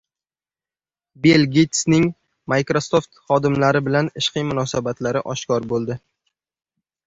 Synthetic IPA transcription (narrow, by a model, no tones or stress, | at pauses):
belɡʲit̪snɪŋ | majkɾoso̞ft̪χɒd̪ɪmlaɾɪbɪlanɪʃqimʊnɒsabat̪laɾɪʔɒʃkʲɒɾbolˠd̪ɪ